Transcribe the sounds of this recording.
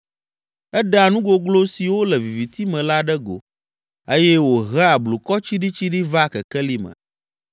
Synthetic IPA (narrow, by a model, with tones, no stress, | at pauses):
ɛ˦ɖa˨nũ˦ɡo˦ɡlo˦si˨wo˦lɛ˨vi˨vi˨t̪i˦mɛ̃˨la˦ɖɛ˦ɡo̰˨ | e˦jɛ˦wo˨ɦɛ˦a˨blu˨kɔ˦t͡ɕi˦ɖi˦t͡ɕi˦ɖi˦va˦˨kɛ˨kɛ˦li˦mɛ̰̃˨